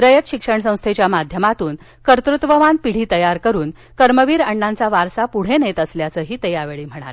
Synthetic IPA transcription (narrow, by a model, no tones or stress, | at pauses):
ɾəjət̪ɕikʂəɳsə̃w̃st̪ʰet͡ɕjamad̪ʱjəmat̪uːn | kəɾt̪ɾut̪ʋəʋanpiɽ̤iːt̪əjaɾkəɾuːn | kəɾməʋiːɾəɳːãnt͡saʋaɾsapuɽ̤enet̪əsljat͡səːɦiːt̪əjaʋeɭiːm̤əɽ̃a̰l